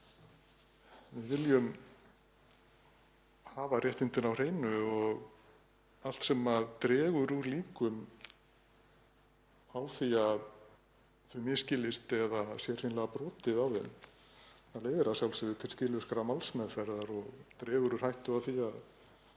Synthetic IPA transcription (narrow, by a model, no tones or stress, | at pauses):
vɪðvɪljʏm | haːvarjɛht̪ɪnt̪ɪnawr̥eːjnʏɔɣ | al̥t̪sɛmaðt̪ɾɛːɣʏɾuɾliːkʏm | awθiað | θʏmɪscɪlɪst̪ɛðasjɛr̥hejnlɛɣapɾɔːt̪ɪðawɪn | aleːjðɪɾasjawlsɛvʏt̪ʰɪlscɪlʏskaɾamalsmɛðfɛɾðaɾɔɣt̪ɾɛːɣʏɾʏɾ̥hajht̪ʏawθiað